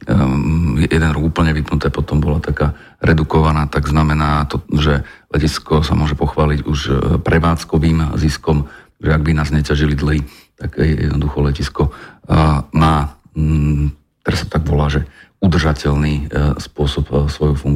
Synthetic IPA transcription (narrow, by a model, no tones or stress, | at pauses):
ɛjɛd̪ɛnɾɔɡupl̩ɲɛʋipnut̪ɛːpɔt̪ɔmbɔlat̪akaː | ɾɛd̪ukɔʋanaːt̪aɡznamɛnaːt̪ɔʒɛlɛciskɔsamʊɔʒɛpɔxʋaːliɟuʃpɾɛʋaːt͡skɔʋiːmziskɔmt̪aɡʒɛaɡ̚binaːzɲɛcaʒilid̪l̩ɦi | t̪aɡjɛ̰jɛd̪nɔd̪uxɔlɛciskɔ | maː | t̪ɛɾast̪ɔ̥t̪aɡbɔlaːʒɛ | ud̪r̩ʒacɛlniːspʊɔsɔpsʋɔjufuŋɡ